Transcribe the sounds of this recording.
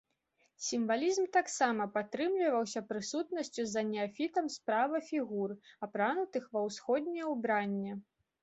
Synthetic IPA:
sʲimvalʲizmt̪aksamɐpat̪ɾɨmlʲivɐwsʲɐpɾɨsut̪nɐsʲt͡sʲuzɐnʲɛafʲit̪ɐmspɾavɐfʲiɣurapɾanut̪ɨxvɐwsxɔd̪̚ʲnʲɛɛwbɾanʲːɛ

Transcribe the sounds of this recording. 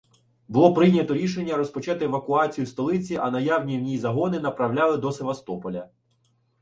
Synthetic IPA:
bʊlˠɔpɾɪjnʲɐt̪ɔɾʲiʃ̬e̞nʲːɐɾɔspɔt͡ʃɑt̪ɪeʋɐkʊɑt͡sʲijust̪ɔlˠɪt͡sʲiʔɐnɐjawnʲiwnʲizɐɦɔnɪnɐpɾɐwlʲɑlˠɪd̪ɔseʋɐst̪ɔpɔlʲɐ

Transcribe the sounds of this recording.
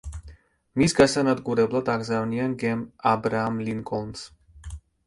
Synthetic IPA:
misɡasanad̪ɡuɾɛblˠad̪aɡzavnianɡɛmabɾaːmliŋkʼɔns

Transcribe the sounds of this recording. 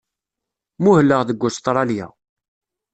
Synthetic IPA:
muhəlːəʁðəɡʷːʊst̪ˤɾˤɑljæ̰

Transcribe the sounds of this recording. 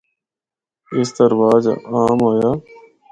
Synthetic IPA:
ɪsd̪əɾʋaːd͡ʒ̰aːmɦoːjaː

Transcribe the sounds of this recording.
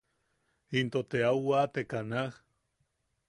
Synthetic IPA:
int̪ot̪eawwat̪ekanah

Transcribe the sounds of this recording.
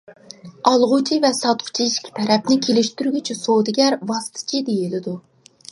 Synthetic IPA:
ɑlˠʁʊt͡ʃʰivɛsɑt̪̚qʰʊ̥t͡ʃʰiiʃkʲʰi̥t̪ʰɛɾɛp̚nɪkʲʰelɪʃt̪ʰyɾɡʲyt͡ʃʰisod̪ɪɡʲæɾvɑst̪ʰɨ̥t͡ʃʰid̪ejilɪd̪u

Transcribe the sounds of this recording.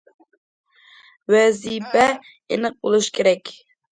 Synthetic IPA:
wɛzipɛ | ḛnɨq̚bolˠuʃkʲʰeɾɛkʲ

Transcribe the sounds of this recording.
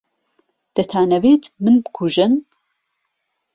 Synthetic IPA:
d̪̥ɐt̪ʰaːnɐveːt̪ʰmɨnbɨkʰuʒɨn

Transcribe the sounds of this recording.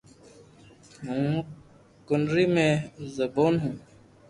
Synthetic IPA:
ɦũː | kʊnɾiːmẽːzəboːnɦũː

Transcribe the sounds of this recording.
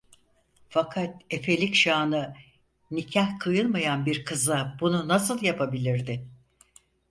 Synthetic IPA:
fakʰat̪̚e̞fe̞lʲicʃaːnɯ | nicʰahkʰɯjɯlˠmajanbiɾkʰɯzabununasɯlˠjapʰabilʲiɾd̪ɪ

